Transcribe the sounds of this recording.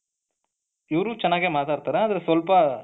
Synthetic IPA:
uɾut͡ʃɐnːaːɣeːmaːt̪aːɾɯt̪ːɐːɾãɐðɪlɐsɔlpaː

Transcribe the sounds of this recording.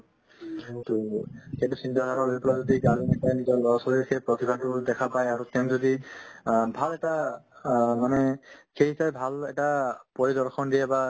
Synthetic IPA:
toketusint̪aɦaɹɔlojpɔlazɔdiɡalinipajnizɔlɔsɔɹikɛpɹɔt̪ibʱadtʊdɛkʰapajaɹut̪ɛmzɔdi | bʱalɛta | manɛkʰeisaɛbʱalɛtapɔɹidɔɹxɔndiɛba

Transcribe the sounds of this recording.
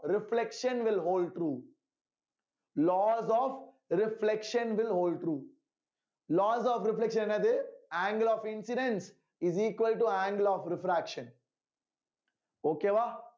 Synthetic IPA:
ɾɪflekʃə̃nʋɪlɦoːlɖ̚ʈɾuː | lɔːzɔːf | ɾɪflekʃə̃nʋɪlɦoːlɖ̚ʈɾuː | lɔːzɔːfɾɪflekʃə̃nnɛd̪eæ̃ːŋɡlɔːfɪ̃nsɪɖẽns | ɪziːkʋəlʈuæ̃ːŋɡlɔːfɾɪfɾækʃə̃n | oːkeʋa

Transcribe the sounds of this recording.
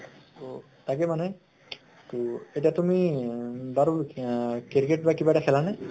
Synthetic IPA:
o | takɛmanɛ | tuetiatumi | baɹukiɾikeʈ̚bakibaɛtakʰɛlanɛ

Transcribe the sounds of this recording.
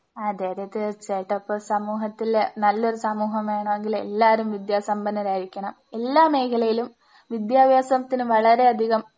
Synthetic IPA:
ad̪eːɾɐt̪ːet͡ɕeʈːɐpːɐsɐmuːɦɐt̪ːilnɐlːo̞ɾusɐmuːɦɐmaːjɳɐeŋɡilḛlːaːɾumʋid̪jaːsɐmbɐnːɐɾaːɾikʲːɐɳɐme̞lːaːme̞ːkʰɐlɐjilum | ʋid̪jaːbjaːsɐmɐt̪ːinɨʋɐɭɐɾe̞ɐd̪ʱiɣɐm

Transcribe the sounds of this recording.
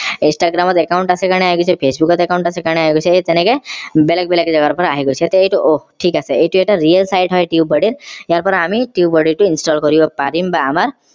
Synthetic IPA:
insʈaɡɾamɔt̪ekaʊɳʈasekaɽ̃eaɦiɡot͡ʃʰepʰesbukɔt̪ekaw̃ɳʈasekaɽeaɦiɡot͡ʃʰeet̪enekebelək̚beləkd͡ʒəɡaɾpɔɾaɦiɡot͡ʃʰet̪eejʈuʔoʈʰikaseeʈueʈaɾijəlsajʈɦɔjʈiubɔɽiɾjaɾpɔɾamiʈiubɔɽiɾʈuinsʈɔlkɔɾijopaɾimbaːmaɾ

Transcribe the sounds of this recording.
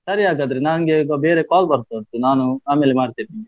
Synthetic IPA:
sɐɾiaːɡaːd̪ɐɾenaːnɡeɡbeːɾekaːlbɐɾt̪ont̪unaːnuaːmeːlemaːɽt̪iɾiːni

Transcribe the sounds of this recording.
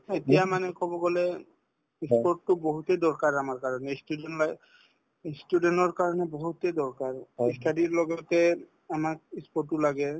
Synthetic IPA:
etijamanɛkɔbɔɡɔlɛ | ispɔɹtːʊbɔɦutɛdɔɹkaɹamaɹkaɹɔnɛstudɛnlaj | istudentɔɹkaɹɔnɛbɔɦutɛdɔɹkaɹistʰadiɹlɔɡɔtɛ | amakispɔtːʊlaɡɛ

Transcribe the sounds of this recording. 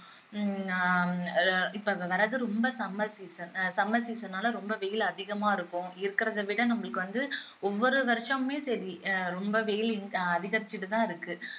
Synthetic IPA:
ɪpːɐʋɐɾɐðɯɾɔmbɐsɐmːɐsiːsɐnsɐmɐsiːsɐnːaːlɐɾɔmbɐʋɛjɪlɐðɪɣɐmaːɪɾɯkːʊ̃ɪɾɯkːɪɾɐðɐʋɪɽɐnɐmːɐɭɯkːɯʋɐnd̪ɯ | ɔʋːɔɾɯʋɐɾʂɐ̃mːeːsɐɾiɾɔmbɐʋɛjɪlɪŋɐðɪɣɐɾɪt͡ʃːɪʈːɯt̪ãːɪɾɯkːɯ

